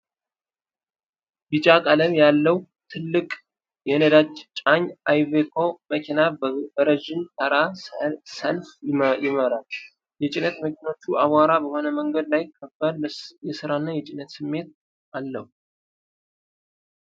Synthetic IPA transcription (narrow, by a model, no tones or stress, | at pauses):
bit͡ʃʼakʼələmjalːəw | t̪ʰɨlːɨkʼ | jɛnəd̪ad͡ʒt͡ʃʼaɲʔajvekʰo̞məkʰinabəɾəʒɪnt̪ʰəɾasəlfjɪməɾal | jɛt͡ʃʼɪnət̪məkʰʲino̞t͡ʃːuʔaβaɾabəho̞nəməŋɡəd̪lajɪkʰːəbːəljɛsɨɾanːajɛt͡ʃʼɪnət̪sɨmːe̞t̪̚ | ʔalːəhu